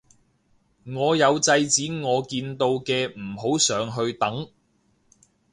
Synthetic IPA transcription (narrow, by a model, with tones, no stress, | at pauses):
ŋɔː˨˧jɐ˨˧wt͡sɐ˧jt͡siː˨˥ŋɔː˨˧kiː˧nt̪o˧wkɛː˧m̩˨˩ɦo˨˥wsœː˨˩ŋɦɵ˧ɥt̪ɐ˨˥ŋ